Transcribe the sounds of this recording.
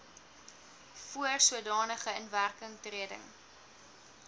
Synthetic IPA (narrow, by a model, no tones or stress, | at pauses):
fuərsuədɑːnəχəənværkəŋtriədə̰ŋ